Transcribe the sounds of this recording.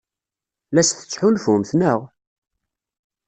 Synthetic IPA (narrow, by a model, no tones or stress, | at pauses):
læsθə̥t͡sːħulfumθnəʁ